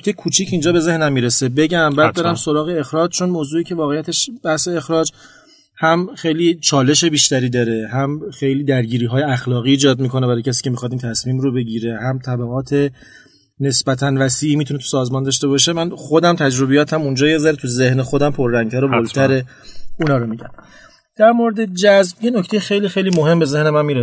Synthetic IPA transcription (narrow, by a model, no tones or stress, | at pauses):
tʰekʰuːt͡ʃʰicʰind͡ʒɒːbe̞ze̞hnæmːiːɾese̞be̞ɟæmbæːd̪d̪ɒɾæmso̞ɾɒːɣe̞exɾɒːd͡ʒt͡ʃʰo̞nmoːzuːiːcʰe̞vɒːɣejæt̪ʰeʃb̥æhse̞ːxɾɒːd͡ʒ | hæmxejliːt͡ʃʰɒːle̞ʃe̞biːʃt̪æɾiːd̪ɒːɾe̞hæmxe̞jliːd̪æɾɟiːɾiːɦɒːje̞æxlɒːɣiːd͡ʒɒːd̪miːkʰo̞nebæɾːjcʰæs̬iːcʰe̞mixɒd̪iːnt̪ʰæsmiːmɾobe̞ɟiːɾe̞hæmt̪ʰæbæɣɒːt̪ʰe̞ | ne̞sbæt̪ʰænvæsiːʔːmit̪ʰune̞t̪ʰu̥sɒːzmɒːnd̪ɒːʃt̪e̞bɒʃemænxo̞d̪æmt̪ʰæd͡ʒɾo̞bejɒːt̪ʰæmund͡ʒɒːjezæɾet̪ʰuze̞hnexod̪æmpʰo̞ɾːæŋɡ̚t̪ʰæɾobolt̪ʰæɾe | unɒːɾomiːɟæn | d̪̥æɾmoɾed̪e̞d͡ʒæzbjenocʰt̪ejexe̞jliːxejliːmoɦe̞mbe̞ze̞hne̞mænmiːɾe